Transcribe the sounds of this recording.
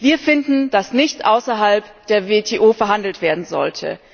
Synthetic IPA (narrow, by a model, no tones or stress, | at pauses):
viːɐfɪndn̩d̥asnɪçtʔaʊsɐɦalpd̥eːɐvetʰeːʔoːfɛɐɦandl̩tv̥eːɐdn̩zɔ̰ltʰə̰